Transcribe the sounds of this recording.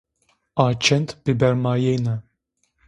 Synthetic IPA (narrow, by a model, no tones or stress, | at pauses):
aːt͡ʃʰɛnt̪b̥ibɛɾmaːjejna